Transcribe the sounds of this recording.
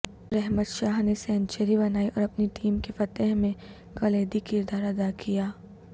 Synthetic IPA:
ɾɛɦmət̪ʃaːɦnesɛ̃ːnt͡ʃəɾiβɐnaːiʔɔːɾɐpniʈiːmkefɐt̪ɛɦmẽ | kɐleːd̪ikɪɾd̪aːɾɐd̪akijaː

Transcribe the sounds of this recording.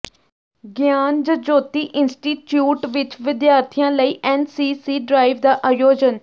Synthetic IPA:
ɡjaːnd͡ʒəd͡ʒoːt̪iːʔɪnsʈiːʈjuːʈʋɪt͡ʃʋɪd̪jaːɾt̪ʰijãːləiːʔɛːnsiːsiːɖɾaːɪʋd̪aːʔaːjoːd͡ʒən

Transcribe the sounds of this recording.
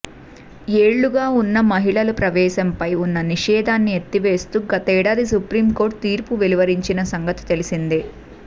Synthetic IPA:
eːɭːuɡaːunːɐmɐɦiɭɐlupɾɐʋɛːʃɐmpɐjunːɐniʂɛːd̪ʱaːnːiet̪ːiʋe̞ːst̪uːɡɐt̪ɐɛːɽaːd̪isupɾiːmko̞ːɾʈ̚t̪iːɾpuʋeliʋɐɾiɲt͡ʃinɐsɐŋɡɐt̪i̥t̪e̞lisind̪i

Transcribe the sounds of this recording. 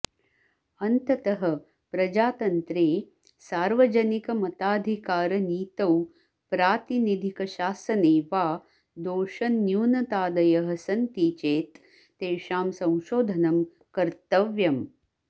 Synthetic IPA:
ɐnt̪ɐt̪ɐɦɐ | pɾɐd͡ʒaːt̪ɐnt̪ɾeː | saːɾʋɐd͡ʒɐnikɐmɐt̪aːd̪ʱikaːɾɐniːt̪ɐw | pɾaːt̪inid̪ʱikɐʃaːsɐneːʋaː | d̪oːʃɐnːjuːnɐt̪aːd̪ɐjɐɦɐsɐnt̪iːt͡ʃeːt̪ː | eːʃaːmsɐ̃w̃ʃoːd̪ʱɐnɐm | kɐɾt̪ɐʋjɐm

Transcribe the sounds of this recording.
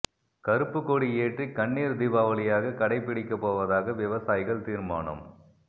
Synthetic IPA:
kɐɾɯpːɯkːoːɽieːʈrikɐɳːiːɾd̪ɪbaːʋɐɭɪjaːɣɐkɐɽɐɪpːɪɽɪkːɐpːoːʋɐðaːɣɐʋɪʋɐsaːjɪɣɐɭt̪iːɾma̰ːɳɐ̰m

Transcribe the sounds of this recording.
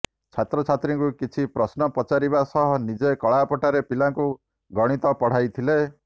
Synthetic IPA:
t͡ʃʰat̪ɾɔt͡ʃʰat̪ɾiŋkukit͡ʃʰipɾɔsnɔpɔt͡ʃaɾibasɔɦɔnid͡ʒekɔɭapɔʈaɾepilaŋku | ɡɔɽ̃it̪ɔpɔɽ̤ajt̪ʰile

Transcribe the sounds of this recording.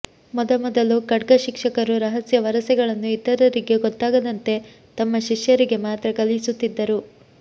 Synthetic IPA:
mɔd̪ɐmɔd̪ɐlukɐɖɡɐʃikʂɐkɐɾuɾɐɦɐsjɐʋɐɾɐsɛɡɐɭɐnːuit̪ːɐɾɐɾiɡe̞ɡɔt̪ːaːɡɐd̪ɐnt̪e̞ | t̪ɐmːɐʃiʃjɐɾiɡe̞maːt̪ɾɐkɐlisut̪ːid̪ːɐɾu

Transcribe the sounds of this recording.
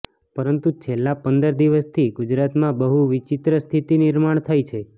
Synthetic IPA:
pəɾənt̪ut͡ʃʰelːapənd̪əɾd̪iʋəst̪ʰiɡud͡ʒɾat̪mãbəɦuʋit͡ʃit̪ɾəst̪ʰit̪inɪɾmaɳ̃t̪ʰajt͡ʃʰe

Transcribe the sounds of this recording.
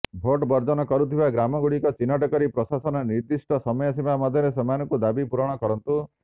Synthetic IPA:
bʱoʈbɔɾd͡ʒɔnɔkɔɾut̪ʰibaɡɾamɔɡuɽikɔt͡ʃinɔʈɔkɔɾipɾɔsasɔnɔniɾd̪isʈɔsɔmɔjɔsibamɔd̪ʱjɔɾesɔmanɔŋkud̪abipuɾɔɽ̃ɔkɔɾɔnt̪u

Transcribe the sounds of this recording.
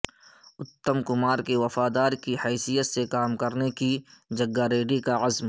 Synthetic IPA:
ʊt̪ːəmkʊmaːɾkeʋɐfaːd̪aːɾkihɛːsijət̪sekaːmkɐɾnekid͡ʒɐɡːaɾeːɖikaɐzm

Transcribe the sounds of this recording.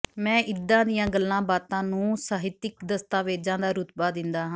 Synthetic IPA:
mɛ̃ːʔɪd̪ãːd̪ɪjãːɡəlːãːbaːt̪ãːnũːsaːɦɪt̪ɪkd̪əst̪aːʋeːd͡ʒãːd̪aːɾʊt̪baːd̪ɪnd̪aːɦãː

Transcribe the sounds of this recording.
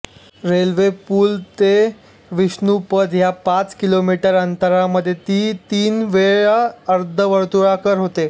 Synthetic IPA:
ɾelʋepuːlt̪e | ʋiɕnupəd̪japat͡skilomiʈəɾənt̪əɾaməd̪ʱjet̪iːt̪iːnʋeɭaəɾd̪ʱəʋəɾt̪uɭakəɾɦot̪e

